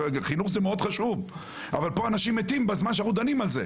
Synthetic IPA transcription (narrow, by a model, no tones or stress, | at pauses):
χinuχzemeo̞d̪χaʃuv | a̰valpo̞anaʃimet̪imbazmanʃ̬eajud̪animalze